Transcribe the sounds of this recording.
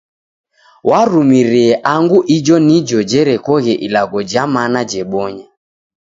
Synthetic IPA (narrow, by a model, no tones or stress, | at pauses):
waɾumiɾɛɛʔaŋɡuʔid͡ʒɔnid͡ʒɔd͡ʒɛɾɛkɔɣɛʔilaɡɔd͡ʒamanad͡ʒɛɓɔɲa